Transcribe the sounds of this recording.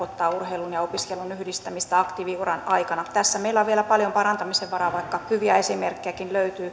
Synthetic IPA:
ot̪ːɑːurheilunjɑopiskelːunyhdist̪æmist̪æɑkt̪iʋiurɑnɑikɑnɑt̪æsːæmeilːæoʋʋielæpɑljompɑɾɑnt̪ɑmiseʋʋɑɾɑːʋɑikːɑhyʋiæesimerkːiækinløyt̪yː

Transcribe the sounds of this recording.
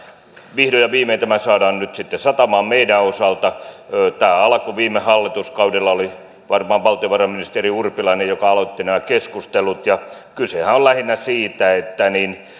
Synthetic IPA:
ʋihdojɑʋiːmeit̪æmæsɑːdɑːnnyt̪sit̪ːesɑt̪ɑmɑːmmeidæosɑlt̪ɑt̪æːɑlɑkoʋiːmːˑehɑlːit̪uskɑudelːɑoli | ʋɑrmɑːʋʋɑlt̪ˑioʋɑrɑminist̪eriurpilɑinejokɑɑlot̪ːinæmækeskust̪elut̪jɑ | kysehæollæhinːæsiːt̪æet̪ːænin

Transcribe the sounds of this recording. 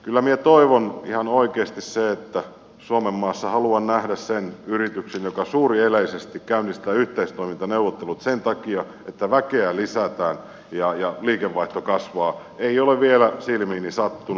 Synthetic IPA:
kylːæmiet̪oiʋonḭhɑnoikeːst̪isseet̪ːæ | suomemːɑːsːɑhɑluɑnnæhdæssenyrit̪yksenjokɑsuːrieleisest̪ikkæynist̪æːyht̪eist̪oimint̪ɑneuʋːot̪ːelut̪sent̪ɑkiɑ | et̪ːæʋækeælisæt̪æːn | jɑjɑliːkeʋːɑiht̪okɑsʋɑː | eioleʋʋielæsilmiːnisɑt̪ːu

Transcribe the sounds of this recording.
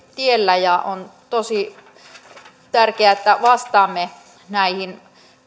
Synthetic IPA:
t̪ielːæjɑont̪osi | t̪ærkeæet̪ːæʋɑst̪ɑːmːe | næihin

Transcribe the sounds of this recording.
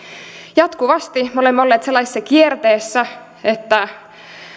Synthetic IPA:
jɑt̪kuʋɑst̪imeo̞lemːolːeːt̪se̞lːɑsi̥sːɑkiert̪eːsːæ | et̪ːæ

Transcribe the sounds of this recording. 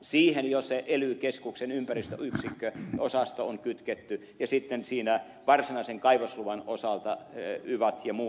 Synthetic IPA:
siːhenjoseʔelykeskuksenympærist̪ø̰yksikːøosɑst̪ooŋkyt̪ket̪ːy | jɑsit̪ːensiːnæ | ʋɑrsinɑiseŋkɑiʋosluʋɑno̰sɑlt̪ɑyʋɑt̪jɑmuː

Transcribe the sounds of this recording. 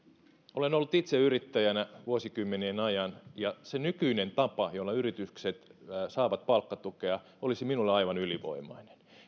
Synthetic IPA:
olenolːut̪it̪seyrit̪ːæjænæʋuosikymːeneːnɑjɑnjɑsenykyinent̪ɑpɑjolːɑyrit̪ykset̪ːsɑːʋɑt̪̚pɑlkːɑt̪ukeɑ | olisiminulːeɑiʋɑnyliʋo̰imˑɑine̥n

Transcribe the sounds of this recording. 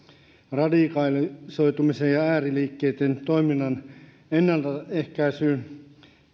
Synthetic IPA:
rɑdikɑlisoit̪umisejjɑæːriliːkːeit̪ent̪oiminːɑn | enːælt̪æehkæisyː

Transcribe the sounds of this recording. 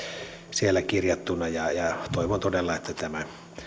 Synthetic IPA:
sielːækirjɑt̪ːunːɑjɑjɑt̪oˑiʋont̪odelːɑet̪ːæt̪æmæ

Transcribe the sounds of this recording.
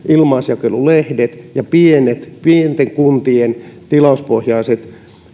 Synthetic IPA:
ʔilmɑːsjɑkelulehdet̪jɑpienet̪pient̪eŋkunt̪ient̪ilɑuspohjɑiset̪

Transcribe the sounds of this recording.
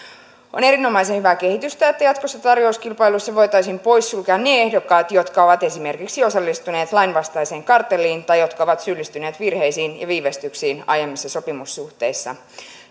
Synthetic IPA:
o̞̰ne̞ɾino̞mɑjsenhyʋæke̞hit̪yst̪æet̪ːæjɑt̪kosːɑt̪ɑrjouskilpɑjlusːɑʋo̞jt̪ɑjsiːmpo̞jsːulkæːnneehdo̞kːɑːt̪jo̞t̪kɑo̞ʋɑt̪e̞sime̞rkiksio̞sɑlːist̪une̞ːt̪lɑjnʋɑst̪ɑjse̞ːŋkɑrt̪ːelːiːnt̪ɑjjo̞t̪kɑoʋɑt̪sylːist̪yne̞ːt̪ʋirhe̞jsiːnjɑ̰ʋiːʋest̪yksiːnɑ̰jemːisːɑso̞pimusːuht̪e̞jsːɑ̰

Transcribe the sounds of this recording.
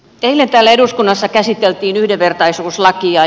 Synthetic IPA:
t̪eilːent̪æːlːæeɾuskunːɑsːɑkæsit̪ːelt̪iːnyhdeʋʋert̪ɑisuːslɑkiɑ

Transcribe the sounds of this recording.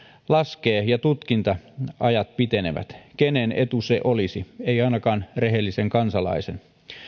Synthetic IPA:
lɑskeːjɑt̪ut̪kint̪ɑɑjɑt̪̚pit̪e̞nḛʋæ̰t̪kenene̞t̪useʔolisieiɑinɑkɑːnreɦelːiseŋkɑnsɑlɑ̰isen

